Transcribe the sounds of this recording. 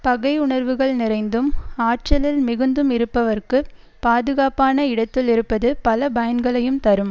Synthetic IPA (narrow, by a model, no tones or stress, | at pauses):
pɐɣɐɪʊɳɐɾʋɯɣɐɭnɪrɐɪnd̪ɯmaːʈ̚t͡ʃɐlɪlmɪɣɯnd̪ɯmɪɾɯpːɐʋɐrkɯ | paːðɯɣaːpaːnɐɪɽɐt̪ːɪlɪɾɯpːɐðɯpɐlɐbɐjɐnɡɐɭɐjɯmt̪ɐɾɯm